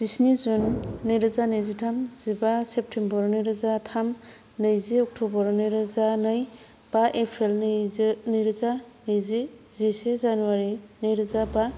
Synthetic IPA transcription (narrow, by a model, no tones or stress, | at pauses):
d̥isnizunːɯjɾɯzanɯjzitʰamzibasep̚tʰembɔɾnɯjɾɯzatʰam | nɯjziɔk̚tʰobɔɾnɯjɾɯzanɯj | b̥aʔepʰɾel | nɯjɾɯzanɯjzizisezanuwaɾinɯjɾɯzaba